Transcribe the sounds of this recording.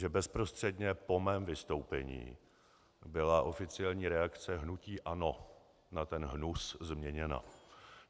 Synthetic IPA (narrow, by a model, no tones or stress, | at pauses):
ʒɛbɛspɾo̞st̪r̥ɛdɲɛpo̞mɛːmvɪst̪o̞wpɛ̰ɲḭː | bɪlaʔo̞fɪt͡sɪjɛlɲiːɾɛakt͡sɛɦnuciːʔano̞ | nat̪ɛnɦnuszmɲɛɲɛna̰